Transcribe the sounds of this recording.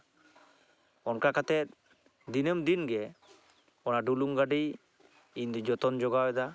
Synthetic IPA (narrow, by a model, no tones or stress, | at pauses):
ɔnkakat̪ɛt̪̚ | d̪inəmd̪inɡɛ | ɔnaɖuluŋɡaɖi | ind̪ɔd͡ʒɔt̪ɔnd͡ʒɔɡaɛd̪a